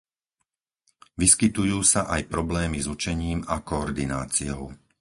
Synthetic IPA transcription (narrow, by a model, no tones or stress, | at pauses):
ʋiskit̪ujuːsaʔajpɾɔblɛːmizut͡ʃɛɲiːmakɔːɾd̪ina̰ːt͡sijɔʊ